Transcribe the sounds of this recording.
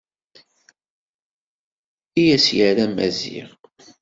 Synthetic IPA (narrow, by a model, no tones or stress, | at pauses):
ijæsjəɾæmæzḭʁ